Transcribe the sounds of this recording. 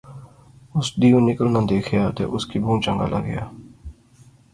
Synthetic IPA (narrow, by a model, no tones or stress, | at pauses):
ʊsd̪ijõnɪkəlnãːd̪eːkʰjaːt̪ḛːʔʊskibũːt͡ʃə̃ŋɡa̰ːlʔa̰ɡə̰ja̰ː